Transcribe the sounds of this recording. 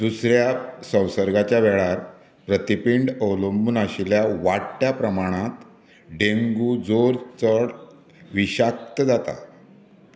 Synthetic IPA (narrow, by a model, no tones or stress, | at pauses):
d̪usɾjasə̃wsəɾɡat͡ɕjaʋɛɭaɾ | pɾət̪ipiɳɖəlomunaɕiljaʋaʈʈːjapɾəmaɽ̃ãt̪ | ɖeŋɡuːd͡zoɾt͡səɽ | ʋiɕak̚t̪əd͡zat̪a̰